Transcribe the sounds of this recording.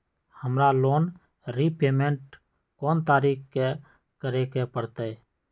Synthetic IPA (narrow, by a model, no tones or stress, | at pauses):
həmɾaloːn | ɾipeːmẽɳʈ | kɔːnt̪aːɾiːkke | kəɾekepəɽt̪aɛ